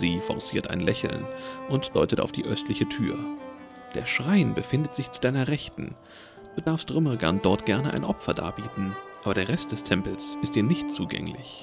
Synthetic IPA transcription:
ziːfɔ̰ʁsiːɐtʔa̰ɪnlɛçl̩nʔʊntd̥ɔʏtəta̰ʊfd̥ḭːʔœstʰlɪçətʰy̰ːɐ | d̥ḛːɐʃʁ̥aɪnbəfɪndətz̥ɪçt͡su̥d̥aɪnɐʁɛçtn̩ | d̥uːdaɐfstʁ̥ʏməʁɡa̰nd̥ɔɐtɡ̥ɛɐnəʔa̰ɪnʔɔpfɐda̰ːɐbiːtn̩ʔaːbɐdeːɐʁɛst̚d̥ɛstʰɛmpl̩sɪstd̥iːɐnɪçt̚t͡suːɡɛ̰ŋlɪ̰ç

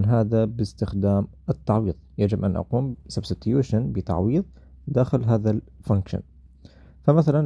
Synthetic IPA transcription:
nɦaːðabɪst̪ɪxd̪aːm | ʔɪt̪ːɑʕwiːðˤjad͡ʒɪbʔa̰nʔɑ̰quːmsabsɪt̪juːʃanbɪt̪ɑ̰ʕwiːðˤ | d̪aːxɪlɦaːðalfaŋkʃa̰n | famaθalan

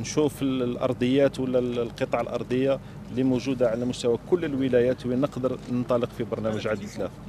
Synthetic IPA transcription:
nʃufəlʔɑ̰ɾˤd̪ˤəjːæt̪wəlːælqət̪ˤɑʕəlʔɑ̰ɾˤd̪ˤəjːa | limuʒud̪aʕalæmʊst̪æwækʊlːəlwəlæjæt̪winəqd̪əɾˤnənt̪ˤɑləqfibɑɾˤnæməʒʕad̪ət̪ːlæθ

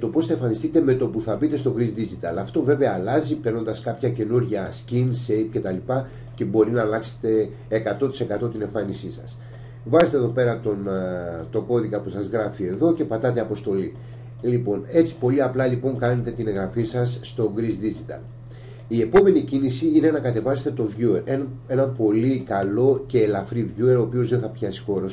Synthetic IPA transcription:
t̪o̞po̞sθɐe̞ɱfɐnist̪it̪e̞me̞t̪o̞puθɐbit̪e̞st̪o̞ɡɾizd̪izit̪ɐlɐft̪o̞ve̞ve̞ɐːlɐzipe̞ɾno̞nd̪ɐskɐpçɐce̞nuɾʝɐscinsejpce̞t̪ɐlipɐ | ce̞bo̞ɾinɐːlɐkse̥t̪e̞ː | kɐt̪o̞t̪i̥se̞kɐt̪o̞t̪ine̞ɱfɐnisisɐ̰s | vɐzet̪eðo̞pe̞ɾɐt̪ont̪o̞ko̞ðikɐpusɐzɣɾɐfie̞ðo̞ce̞pɐt̪ɐt̪e̞ɐpo̞st̪o̞li | lipo̞ne̞t͡si̥po̞liɐplɐlipo̞ŋkɐne̞t̪e̞t̪ineɣɾɐfisɐsːt̪o̞ɡɾizd̪izit̪ɐ̰l | ie̞po̞me̞nicinisiine̞nɐkɐt̪e̞vɐset̪et̪o̞vʝue̞ɾee̞nɐmpo̞likɐlo̞ce̞ːlɐfɾivʝue̞ɾoːpio̞zðe̞nθɐpçɐsi̥xo̞ɾos

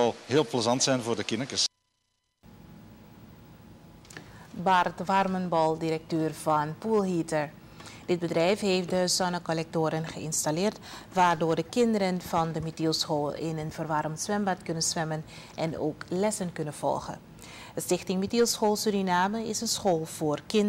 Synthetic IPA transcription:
ɑlˠɦɪːlˠpləzɑntsɛjnvʊːrdəkɪnəkəs | bɑrtʋɑrmənbɑlˠdiɾɛk̚tøːrv̥ɑnpulˠɦitəɹ | d̥ɪd̚bədrɛjfɦeːftdəsɔnəkolɛk̚toːɾənχəɪnstalɪːrtʋaːrdoːrdəkɪndəɾənv̥ɑndəmitylˠsχoːlɪ̰nənvərʋɑrmtsʋɛmbatkɵnənsʋɛmən | ʔɛno̰ːklɛsənkɵnənv̥ɔ̰lˠχə̰n | əstɪxtɪŋmitylˠsχoːlˠsyɾinaːməɪsənsχoːlˠv̥oːrkɪn

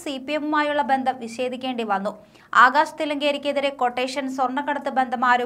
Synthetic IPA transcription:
sipːijemumaːjuɭːɐbe̞nd̪ʱɐmʋiɕe̞ːd̪ʱikʲːe̞ːɳɖiʋɐnːu | aːɡaːɕɐ̥t̪ilɐŋɡeːɾikʲːeðiɾeko̞ʈːeːʂɐnsworɳːɐkːɐɽɐt̪ːɨbe̞nd̪ʱɐmaːɾu

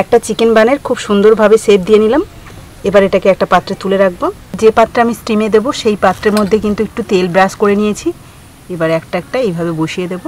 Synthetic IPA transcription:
ɛk̚ʈat͡ɕikenbaneɾkʰubʃund̪oɾbʱabeseb̚d̪ijenilam | ebaɾeʈakeɛk̚ʈapat̪ːɾet̪uleɾak̚bo | d͡ʑepat̪ːɾeamisʈɾimed̪eboʃejpat̪ːɾeɾmod̪ʱːekint̪uek̚ʈut̪elbɾaskoɾenijet͡ɕʰi | ebaɾɛkʈaɛk̚ʈaejbʱabeboʃied̪ebo

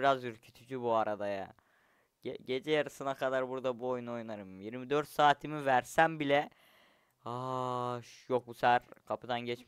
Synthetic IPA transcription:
iɾazyɾcʰy̥t̪ʰyd͡ʒybuaɾad̪aja̰ | ɟɛɟe̞d͡ʒɛjaɾɯsɯnakʰad̪aɾbuɾd̪abuo̞juno̞junaɾɯmjiɾmid̪ø̞ɾt̪saːt̪ʰimivæɾsæmbilʲɛ | aʃjok̚busæɾkʰapʰɯd̪anɟɛt͡ʃ

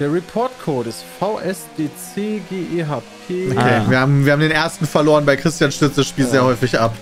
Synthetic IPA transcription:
d̥eːɐʁipʰɔɐtkʰoːtɪstfaʊʔɛsd̥eːt͡seːɡeːʔeːɦaːpʰeːokeːviːɐhaːbm̩viːɐhaːm̩deːnʔeːɐstn̩fɛɐloːʁənbaɪkʁ̥ɪstjaːnʃtʏt͡sd̥asʃpiːlzeːɐhɔʏfɪçʔap

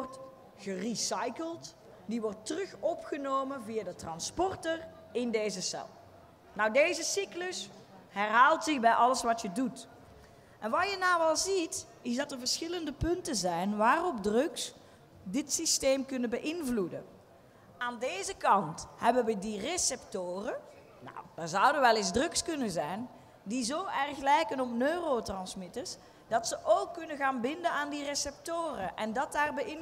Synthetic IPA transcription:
rt | ɣərisɑjkəlˠt | diʋɔrtːərɵxɔpχənowmənvijaːdətrɑnspɔrtər | ɪndejzəsɛ̰lˠ | nɑwdejzəsikləs | ɦɛrɦaːlˠtsɪɣbɛjʔɑləsʋɑtjədut | ʔɛnʋɑjənaːwɑlˠzit | ɪsdɑtərvəɹsxɪləndəpɵntənzɛjnʋaːrɔb̚drɵks | dɪtsisteːmkɵnənbəʔɪnvludə̰ | aːndeːzəkɑnthɛbənʋədiresɛptoːrə | na̰wd̥aːɹzʌwdənʋɛlˠɪzdrɵkskɵnənzɛjn | dizowɛrxlɛjkənɔpnøːrotrɑnsmɪtəs | d̥ɑtsəʔowkːɵnəɣaːnbɪndənaːndiresɛp̚toːrəʔɛndɑt̚daːrbəʔɪ

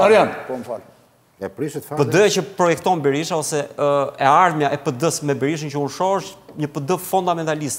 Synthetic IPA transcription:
aɾjanpɔmfal | ɛpɾiʃət̪fapəd̪əjat͡ɕəpɾɔjɛk̚t̪ɔnbɛɾiʃaɔsɛɛaɾmjaʔɛpəd̪əsmɛbɛɾiʃ̬əncəunʃɔʃɲəpəd̪əfund̪amɛnt̪alist̪

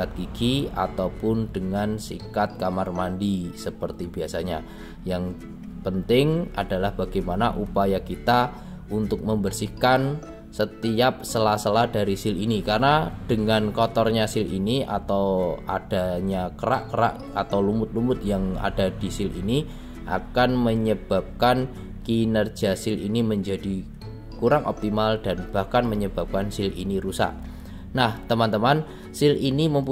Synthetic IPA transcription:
at̪̚ɡ̥iɡ̥ia̰t̪awpʊndəŋansḭkat̪̚kamarmandisəpərt̪ibiasaɲa | jaŋ | pənt̪ɪŋadalahb̥aɡajmanaʔupajakit̪a | unt̪ʊk̚məmbərsihkan | sət̪iap̚səlasəlahd̥aɾisɪlinikarnad̥əŋankɔt̪ɔrɲasɪlinia̰t̪awad̥a̤ɲakəɾa̰ʔkəɾa̰ʔ | at̪awlumʊt̪̚lumʊt̪̚jaŋa̰d̥ad̥i̤sɪlini | ʔa̰kanməɲəb̥a̤p̚kan | kinərd͡ʒ̥a̤sɪlḭniməɲd͡ʒad̥i | kuɾaŋʔɔ̰p̚t̪imald̥anb̥ahkanməɲəb̥a̤p̚kansɪlʔḭniɾusa̰ʔ | naht̪əmant̪əman | sɪliniməmpu

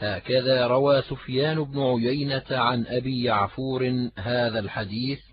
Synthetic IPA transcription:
haːkaðaːɾˤɑwaːsʊfjaːnʊbnʊʕʊjajnat̪ʕanʔabiːjaʕfuːɾɪhaːðalħad̪iːθ

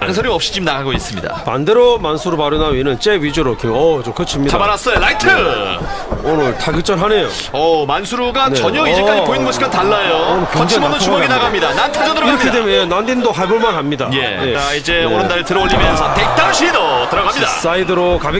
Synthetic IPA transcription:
aŋsʰʌɾiʌp̚ɕ͈i̥t͡ɕimnaɡaɡois͈ɯmɲḭda̰pa̰nde̞ɾomansʰuɾupaɾjonaɥinɯnt͡ɕ͈e̞ɥid͡ʑuɾokeʌd͡ʑokɯʌt͡ɕʰimɲidaaɾas͈ʌjolaitʰɯ | onɯɭtaɡɯk̚t͡ɕ͈ʌnɦane̞jo | ʌmansʰuɾuɡanet͡ɕʌɲʌid͡ʑek͈ad͡ʑipoinɡʌɕʰi̥kantaɭːajoonkeʌŋʰmonɯt͡ɕumʌɡinaɡamɲidanantʰad͡ʑʌnɯɾkɯɾʌkkʰedemojenandindoɦaɭboɭmanɦamɲidaje̞̰je̞aid͡ʑeoɾɯndaɾeɭtɯɾʌoɭːʎːimjʌnsʰʌtek̚t͈aɕʰidʌtɯɾʌɡamɲida̰s͈ʰaidɯɾokabe

